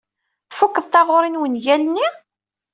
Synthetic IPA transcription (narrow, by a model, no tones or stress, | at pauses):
θfukːəðˤt̪ɑʁʊɾˤinwənʝælni